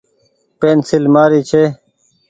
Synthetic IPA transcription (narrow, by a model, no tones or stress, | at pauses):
peːnsilmaːɾiːt͡ɕʰeː